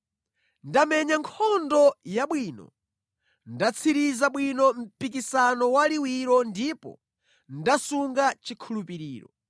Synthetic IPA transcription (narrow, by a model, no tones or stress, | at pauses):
ndamɛɲaŋkʰɔndɔjaɓwiːnɔ̰ | ndat͡sʰiɾizaɓwinɔm̩pik̬isanɔwaliwiɾɔndipɔ̰ | ndasuŋɡat͡ʃikʰulupiɾiːɾɔ̰